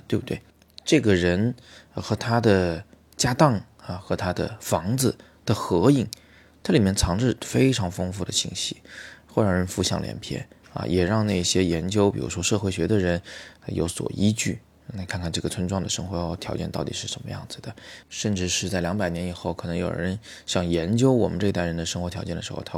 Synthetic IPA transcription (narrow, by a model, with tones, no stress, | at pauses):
t̪we˥˧bu˧˩t̪we˥˩ɪ | ʈ͡ʂɤ˥˩ɡə˩ɻə˧˥n˧xɤ˧˥t̪ʰa˥d̪ə˨ | t͡ɕja˥t̪ɑ˥˩ŋ | ə˩xɤ˧˥t̪ʰa˥d̪ə̰˨˩fɑ˧˥ŋd͡zɹ̩˧ | d̪̥ə˨xɤ˧˥i˥˩ŋ | t̪ʰa˥li˨˩mjɛ˥˩nt͡sʰɑ˧˥ŋʈ͡ʂɻ̩˥˩fe˥ɪʈ͡ʂʰɑ˧˥ŋfɤ˥ŋfu˥˩d̪ə̰˩ɕi˥˩ŋɕi˧˥xwɻɑ˧˥ɻə˧˥nfu˧˥˧ɕjɑ˥˩ŋljɛ̰˧˥npʰjɛ̰˥˩nɐ̰˧jɛ˨˩ɻɑ˥˧ŋna˥˩ɕjɛ˥jɛ˧˥nt͡ɕjo˥ʊpi˨˩ɻṵ˧˥ʂwɔ˥ʂɤ˥˧xwe˥˩ɪɕɥɛ˧˥d̪ə˨ɻə˧˥n˧jʔo̰˧˥ʊswɔ̰˨˩ʔi˥t͡ɕy˥˩˧ | na˧˥˧kʰa˥˧nkʰa˥˩nʈ͡ʂɤ˥˩ɡə˩t͡sʰwə˥nʈ͡ʂwɑ˥˩ŋd̪ə˩ʂɤ˥ŋxwɔ˧˥˧t̪ʰjɑ˧˥ʊt͡ɕjɛ˥˧nt̪ɑ˥˩ʊt̪ḭ˨˩ʂɻ̩˥˩ʂə˧˥nmə̰˧jɑ̰˥˩ŋd͡zɹ̩˩d̪ə˩ʂə˥˧nʈ͡ʂɻ̩˥˧ʂɻ̩˥˧t͡sa˥˩ɪljɑ˧˥ŋpa˨˩ɪnjɛ˧˥ni˨˩xo˥˩ʊkʰɤ˨˩nɤ˧˥ŋjo˨˩ʊɻə˧˥nɕjɑ˥˩ŋjɛ˧˥nt͡ɕjo˥ʊwɔ˨˩mə˦nʈ͡ʂɤ˥˩i˧t̪a˥˩ɪɻə˧˥nd̪ə˧ʂə˥ŋxwɔ˧˥t̪ʰjɑ˧˥ʊt͡ɕɛ˥˩nə˩ʂɻxo̰˥˧t̪ʰa˥